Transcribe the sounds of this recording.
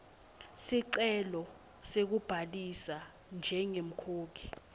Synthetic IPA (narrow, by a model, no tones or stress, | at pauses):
siǀɛlɔ | sek̬ub̥ʱalisa | nd͡ʒʱɛŋem̩kʰoːkʰi̥